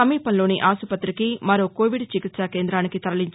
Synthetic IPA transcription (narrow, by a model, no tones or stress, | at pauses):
ɐmiːpɐnlo̞ːniʔaːsupɐt̪ːɾikimɐɾoːko̞ːʋiɖt͡ʃikit̪sakeːnd̪ɾaːnikit̪ɐɾɐliɲt͡ʃ